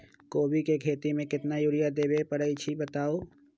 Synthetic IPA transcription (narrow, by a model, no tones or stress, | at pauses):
koːbikekʰeːt̪imẽkɪt̪najuɾijad̪eːbepəɽəit͡ʃʰibət̪aːoː